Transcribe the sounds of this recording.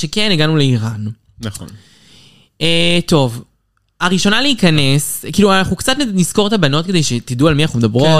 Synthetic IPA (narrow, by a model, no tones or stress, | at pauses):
ʃekeniɡanuleiʁan | nχ | et̪o̞v | aʁiʃo̞naleikɐneskiːluanaχukt͡sat̪nnizko̞ʁet̪abano̞t̚kede̞jʃet̪idualmianaχumd̪ɐbʁo